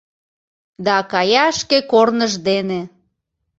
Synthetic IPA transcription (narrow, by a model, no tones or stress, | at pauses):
d̪ɑkɑjɑʃkekornəʒd̪ene